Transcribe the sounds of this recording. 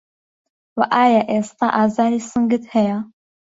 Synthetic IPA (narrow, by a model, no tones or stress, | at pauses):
waʔaːjaʔeːst̪aʔaːzaːɾisɨŋɡɨt̪hɛja